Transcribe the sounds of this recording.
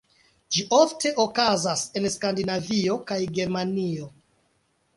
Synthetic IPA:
d͡ʒiʔofte̞ʔokazase̞nskandinavio̞kajɡe̞ɾmanio̞

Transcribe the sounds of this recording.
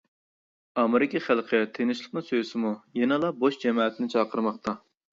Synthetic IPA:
ɑmɪɾɪkʲiχælˠqʰət̪ʰenɪʃlˠəqnɨsøsɪmujenɨlˠɑboʃd͡ʒɛmɑːt̪ʰɪnɪt͡ʃʰɑːqʰəɾmɑχt̪ɑ

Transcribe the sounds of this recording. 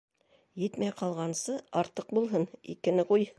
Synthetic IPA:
jɘt̪mæjqʰɑlˠʁɑnsɤɑɾt̪ɤq̚bulˠɦɤnḭkɘ̆nɘquj

